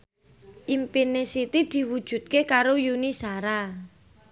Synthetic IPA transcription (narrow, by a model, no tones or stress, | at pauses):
ʔimpinesit̪id̪̥i̤wud̥ʒ̥ṳt̪̚kekaɾojunisaɾa